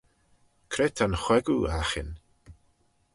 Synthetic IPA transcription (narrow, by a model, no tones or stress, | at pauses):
kʰɾɛtʰanχwɛɡuaχɪ̰n